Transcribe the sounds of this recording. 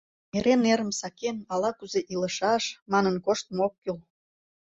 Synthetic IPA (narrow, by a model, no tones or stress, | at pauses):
eɾenːeɾəmsɑkenɑlɑkuzeʔiləʃɑʃmɑnənkoʃt̪mokːyl